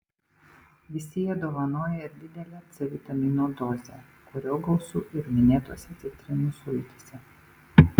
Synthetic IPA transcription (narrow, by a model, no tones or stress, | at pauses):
ʋʲɪsʲɪjɛd̪oːʋɐnoːjɛɪɾd̪ʲɪd̪ʲɛlʲɛːt̪sʲɛʋʲɪt̪ɐmʲiːnoːd̪oːzʲḛˑ | kʊɾʲoːɡɐʊsṵːʔɪɾmʲɪnʲeːt̪uɔsʲɛt̪sʲɛt̪ʲɾʲɪnuːsʊjɪt̪ʲisʲɛ